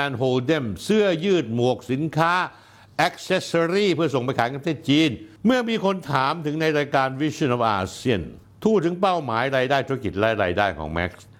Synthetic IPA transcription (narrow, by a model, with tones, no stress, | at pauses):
ɛː˧nɦoː˧lde˥˩msɯ˥˩ɐjɯː˥˩t̪̚mu˨˩ək̚si˩˦nkʰaː˦˥ | ʔɛ˦˥k̚sɛ˧˥sa˧ɾiː˥˩pʰɯ˥˩ɐs̬o˨˩ŋpa˧jkʰaː˨˦nka˧t̪ʰeː˥˩t̪̚t͡ɕiː˧nmɯ˥˩ɐmiː˧kʰo˧nt̪ʰaː˨˩˦mt̪ʰɯ˩˦ŋna˧jɾaː˧jkaː˧nwi˦˥snʔɔː˨˦˩ʔa̰ː˧si˥˩ən | t̪ʰuː˥˩t̪ʰɯ˩˦ŋpa˥˩wmaː˩˦jɾaː˧jdaː˥˩j̪t̪ʰu˧˥˧k̬i˨˩t̪̚ɾa˦˥jɾaː˧jdaː˥˩jkʰɔ̰ː˩˦ŋmɛ̰˦˥k̚s